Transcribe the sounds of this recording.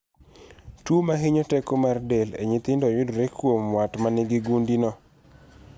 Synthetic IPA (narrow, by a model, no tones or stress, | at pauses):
tumaɦiɲɔtɛkomardelḛɲɪt̪ɪndɔjʊdɾekwomwatmanɪɡɪɡundinɔ